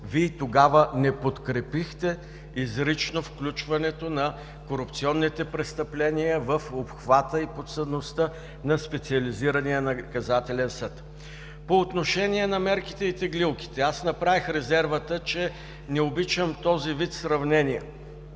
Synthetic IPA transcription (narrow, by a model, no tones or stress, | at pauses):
viːt̪oɡavənɛpot̪kɾɛpixt̪ɛ | izɾit͡ʃnofklʲut͡ʃvɐnɛt̪onɐ | koɾʊp̚t̪siɔnːit̪ɛpɾɛst̪ɐplɛnijəvəfopxvat̪əipot̪səd̪nost̪ə | nɐspɛt̪siɐliziɾəniənɐkɐzat̪ɛlɛnsɤt̪ | poːt̪noʃɛniɛnɐmɛɾki̥t̪ɛit̪ɛɡlilˠki̥t̪ɛasnɐpɾavixɾɛzɛɾvət̪ət͡ʃɛ | nɛobit͡ʃəmt̪ɔzivit̪sɾɐvnɛnijɛ